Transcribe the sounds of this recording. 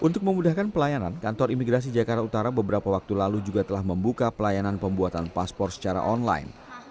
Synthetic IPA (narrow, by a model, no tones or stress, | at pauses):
ʔunt̪ʊk̚məmudahkanpəlajanankant̪ɔrimiɡɾas̬id͡ʒakart̪aut̪aɾabəbəɾapawak̚t̪ulalud͡ʒuɡat̪əlahməmbukapəlajananpəmbuat̪anpaspɔrt̪sə̥t͡ʃaɾa̰ʔɔnla̰ɪ̰n